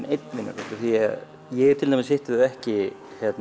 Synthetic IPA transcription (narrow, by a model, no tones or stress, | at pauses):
nejt̪nvɪnːa̰kɛt̪ɪθia̰ð | jɛɛɾt̪ʰɪlt̪amɪsɪht̪ɪðʏɛhcɪ | çɛt̪n